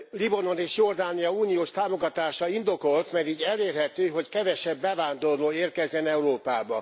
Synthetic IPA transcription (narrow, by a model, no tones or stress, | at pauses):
libɒno̞neːʃjo̞rd̪aːnijɒuːnijoːʃt̪aːmo̞ɡɒt̪aːʃɒind̪o̞ko̞lt̪mɛɾiːɟɛleːrɦɛt̪øːɦo̞ckɛvɛʃɛbːɛvaːnd̪o̞rloːeːrkɛzːɛnɛuɾoːpaːbɒ